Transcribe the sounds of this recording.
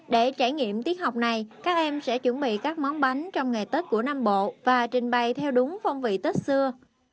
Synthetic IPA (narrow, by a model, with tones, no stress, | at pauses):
ɗe˧˩t͡ɕaː˧˩jŋḭ˧˨əmt̪i˦˥ət̚ha˨˩wk͡p̚na˨˩jkaː˦˥k̚ʔɛ˧msɛ̰˧˥t͡ɕwə˧˩nɓḭ˧˨kaː˦˥k̚mɔ˨˦wŋ͡mɓa˨˦jŋ̟t͡ɕɔ˧wŋ͡mŋa˨˩t̪əː˦˥t̚ku˧˩ənaː˧mɓo̰˧˨vaː˨˩t͡ɕï˨˩ŋ̟ɓa˨˩jt̪ʰɛ˧wɗʊ˨˦ŋ͡mfɔ˧wŋ͡mvḭ˧˨t̪ə˦˥t̚sɨ˧ə